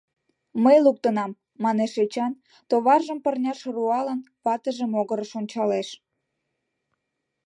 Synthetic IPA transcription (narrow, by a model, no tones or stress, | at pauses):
məjluk̚t̪ənɑmː | ɑneʃet͡ɕɑn | t̪oβɑrʒəmpərnʲɑʃruɑlən | pɑt̪əʒəmoɣəɾəʃonʲt͡ɕɑleʃ